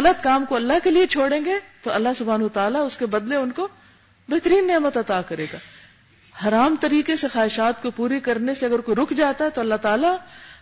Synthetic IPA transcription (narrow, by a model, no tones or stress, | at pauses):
ɣɐlət̪kaːmkoɐlːaɦkeliet͡ʃʰoːɽẽːŋɡet̪oɐlːaɦsʊbʱaːnɐt̪aːlaʊskebɐd̪leʊnko | beɦt̪əɾiːnːeːmət̪ɐt̪aːkɐɾeːɡaː | hɐɾaːmt̪ɐɾiːkesexaːɦɪʃaːt̪kopuːɾikɐɾneseɐɡəɾkoiɾʊkʰd͡ʒaːt̪aɦɛt̪oɐlːaɦt̪aːla